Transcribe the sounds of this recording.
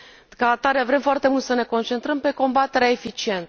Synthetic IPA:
kaːt̪aɾevɾe̞mfoart̪e̞mult̪səne̞ko̞nt͡ʃe̞nt̪ɾəmpe̞ko̞mbat̪e̞ɾeaefit͡ʃie̞nt̪

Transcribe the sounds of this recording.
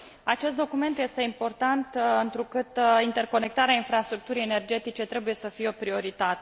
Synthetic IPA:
at͡ʃe̞st̪d̪o̞kume̞nt̪je̞st̪e̞impo̞rt̪ant̪ɨnt̪ɾukɨt̪int̪e̞rko̞ne̞k̚t̪aɾeainfɾast̪ɾuk̚t̪uɾijene̞rd͡ʒe̞t̪it͡ʃe̞t̪ɾe̞buje̞səfijeo̞pɾio̞ɾit̪at̪e̥

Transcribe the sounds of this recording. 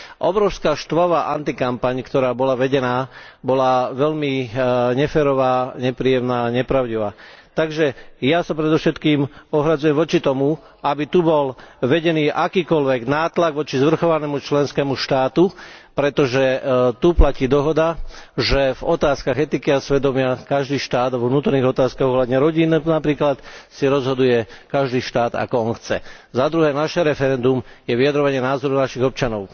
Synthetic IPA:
ʔɔbɾɔʊskaːʃt̪ʋaʋaːʔant̪ikampaɲkt̪ɔɾaːbɔlaʋɛɟɛnaː | bɔlaʋɛʎmiɲɛfɛːɾɔʋaːɲɛpɾiːjɛmnaːɲɛpɾaʊɟiʋaːt̪aɡʒɛjasapɾɛd̪ɔfʃɛt̪kiːmɔɦɾad͡zujɛmʋɔt͡ʃit̪ɔmu | abit̪ubɔlʋɛɟɛniːʔakiːkɔlʋɛɡnaːt̪laɡʋɔt͡ʃizʋr̩xɔʋanɛːmut͡ʃlɛnskɛːmuʃt̪aːt̪upɾɛt̪ɔʒɛt̪uplaciːd̪ɔɦɔd̪aʒɛvɔt̪aːskaɣɛt̪ikiasʋɛd̪ɔmɪakaʒd̪iːʃt̪aːd̪ʋɔʋnuːt̪ɔɾniːɣɔt̪aːskaɣɔɦlad̪ɲɛɾɔɟiːnnapɾiːklat̪siɾɔzɦɔd̪ujɛkaʒd̪iːʃt̪aːd̪a̰kɔɔnxt͡sɛzad̪ɾuɦɛːnaʃɛɾɛfɛɾɛnd̪umjɛʋijad̪ɾɔʋaɲɪɛnaːzɔɾunaʃiɣɔp̚t͡ʃanɔʊ

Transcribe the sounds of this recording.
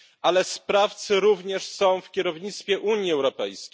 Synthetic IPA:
ʔalɛspɾaft̪sɘɾuvɲɛʂsɔ̃w̃fkʲɛɾɔvɲit̪st̪fʲjɛʔuɲjiɛwɾɔpɛjskʲej

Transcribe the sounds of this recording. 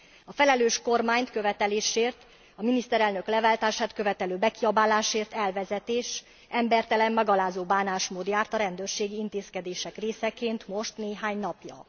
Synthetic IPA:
ɒfɛlɛløːʃko̞rmaːɲt̪kø̞vɛt̪ɛleːʃeːrt̪ | ɒminist̪ɛɾɛlnø̞klɛvaːlt̪aːʃaːt̪kø̞vɛt̪ɛløːbɛkiɒbaːlaːʃeːrt̪ɛlvɛzɛt̪eːʃ | ɛmbɛrt̪ɛlɛmmɛɡɒlaːzoːbaːnaːʃmoːd̪jaːrt̪ɒɾɛnd̪øːrʃeːɡiint̪eːskɛd̪eːʃɛkreːsɛkeːnt̪mo̞ʃt̪neːɦaːɲnɒpjɒ̰

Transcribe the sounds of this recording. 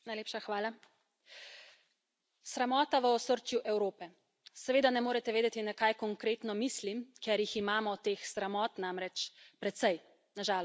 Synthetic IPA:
najleːpʃaxʋaːla | sɾɛmɔːt̪aʋəɔsəɾt͡ʃjuʔɛwɾoːpɛ | sɛʋeːd̪anɛmoːɾɛt̪ɛʋeːd̪ɛt̪inakajkɔŋkɾeːt̪nɔmiːslimkjɛɾjiximaːmɔt̪exsɾamɔːt̪namɾɛt͡ʃpɾɛt̪sɛj | naʒaːl

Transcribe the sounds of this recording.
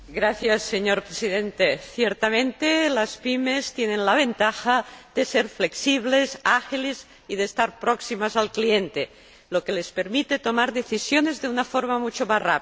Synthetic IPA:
ɡɾaθjasːe̞ɲoɾpɾesiðent̪eθjeɾt̪amẽnt̪elaspime̞st̪jenenlaβ̞ent̪axaðese̞ɾfleksiβ̞lesaxiliz | iðeːst̪aɾpɾoksimasalklient̪e | loke̞le̞speɾmit̪e̞t̪o̞maɾðe̞θisjo̞ne̞zðe̞unafoɾmamut͡ʃomazra̰p

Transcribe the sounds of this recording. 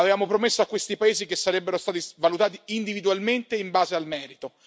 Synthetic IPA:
avevaːmopɾomesːoakːwest̪ipaeːzikesːaɾɛbːeɾost̪aːt̪ivalut̪aːt̪iind̪ivid̪ualment̪eimbaːzealmɛːɾit̪o

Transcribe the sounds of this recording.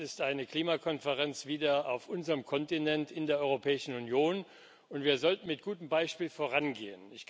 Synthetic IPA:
ɪstʔaɪnəkl̥iːmakʰɔnfəʁɛnt͡sv̥iːdɐa̰ʊfʔʊnzəʁəmkʰɔntinɛntɪndeːɐʔɔʏʁopʰɛːɪʃn̩unjoːn | ʊntv̥iːɐzɔltn̩mɪt̚ɡ̥uːtəmbaɪʃpiːlfoːʁanɡeːənɪç

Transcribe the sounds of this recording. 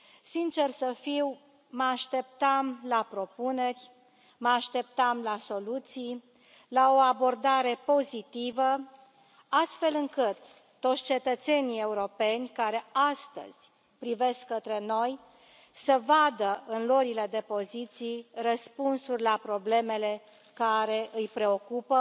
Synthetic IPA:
sint͡ʃe̞rsəfiw | məaʃt̪e̞p̚t̪amlapɾo̞pune̞rʲ | məaʃt̪e̞p̚t̪amlaso̞lut̪sij | lao̞abo̞rd̪aɾe̞po̞zit̪ivə | ast̪fe̞lɨŋkɨt̪ː | ot̪sʲt͡ʃe̞t̪ət̪se̞nije̞uɾo̞pe̞nʲkaɾe̞ast̪ə̰z̥ʲ | pɾive̞skːət̪ɾe̞no̞j | səvad̪əɨnlo̞ɾile̞d̪e̞po̞zit̪sijrəspunsurʲlapɾo̞ble̞me̞le̞ | kaɾe̞ʔɨjpɾe̞o̞kupə

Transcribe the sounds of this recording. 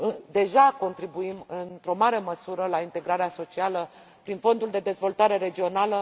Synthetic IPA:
ɨd̪e̞ʒako̞nt̪ɾibuimɨnt̪ɾo̞maɾe̞məsuɾəlaint̪e̞ɡɾaɾeaso̞t͡ʃialə | pɾinfo̞nd̪uld̪e̞d̪e̞zvo̞lt̪aɾe̞ɾe̞d͡ʒio̞nalə

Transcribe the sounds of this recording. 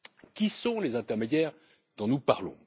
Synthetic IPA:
kʲisɔ̃lezɛ̃t̪ɛʁmed̪jɛːʁ | d̪̥ɔ̃nupaʁlɔ̰̃

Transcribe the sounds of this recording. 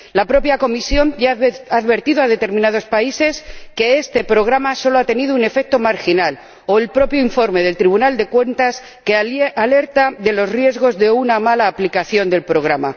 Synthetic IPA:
lapɾo̞pjako̞misjo̞naðβe̞ɾt̪iðoaðe̞t̪e̞ɾmĩnað̞o̞spaise̞ske̞est̪e̞pɾo̞ɣ̞ɾamaso̞loat̪e̞niðoune̞fe̞k̚t̪o̞maɾxinal | o̞elpɾo̞pjoiɱfo̞ɾme̞ð̞e̞lt̪ɾiβunald̪e̞kwe̞nt̪as | keale̞ɾt̪aðe̞lo̞srje̞zɣo̞zðe̞unamalaːplikaθjo̞nd̪e̞lpɾo̞ɣ̞ɾama̰

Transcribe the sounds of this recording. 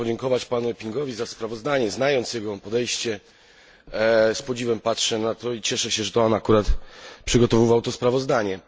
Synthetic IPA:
ɔd͡ʑɛŋkɔvat͡ɕpanuɛpʲiŋɡɔvʲizaspɾavɔzd̪aɲɛznajɔnt̪sjɛɡɔpɔd̪ɛjɕt͡ɕɛ | spɔd͡ʑivɛmpatʂɛnat̪ɔit͡ɕɛʂɛɕɛʐɛt̪ɔanakuɾat̪pʂɘɡɔt̪ɔvɘvawt̪ɔspɾavɔzd̪aɲɛ

